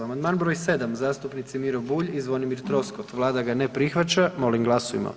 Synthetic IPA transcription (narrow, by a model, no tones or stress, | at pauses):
amand̪maːnbɾojse̞d̪amzaːst̪upnit̪simiɾobuːʎizʋo̞nimiɾt̪ɾo̞skot̪ʋlˠaːd̪aɡanepɾixʋat͡ʃamo̞limɡlˠasoʋḭma̰